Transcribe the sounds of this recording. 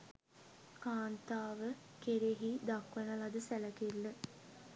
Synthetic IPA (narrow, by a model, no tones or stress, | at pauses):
kaːnt̪aːʋə | keɾeɦid̪akʋənəlɐd̪əsæləkelːə